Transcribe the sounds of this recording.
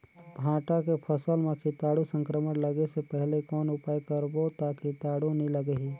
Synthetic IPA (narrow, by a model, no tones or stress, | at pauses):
bʱãːʈakepʰəsəlmẽkʰɪt̪aːɽusə̃ŋkɾəmənləɡesepɛɦlekɔːnʊpaːjkəɾbot̪akit̪aːɽuniləɡəɦi